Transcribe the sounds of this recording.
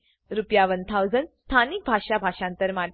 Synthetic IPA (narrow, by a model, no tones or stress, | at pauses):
ɾupjaʋənt̪ʰawd͡zənst̪ʰanik̚bʱaʂabʱaɕãnt̪əɾma